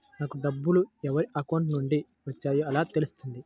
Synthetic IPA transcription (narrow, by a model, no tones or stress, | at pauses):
naːkuɖɐbːuluɛʋɐɾiʔɐkɐwɳʈnuɳɖi | ʋɐt͡ʃːaːjoɐlaːt̪e̞lusu̥t̪und̪i